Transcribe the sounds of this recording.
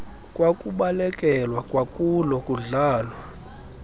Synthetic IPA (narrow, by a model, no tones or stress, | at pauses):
kʼwakʼuɓalɛkʼɛlwakʼwakʼulɔkʼuɮaːlwa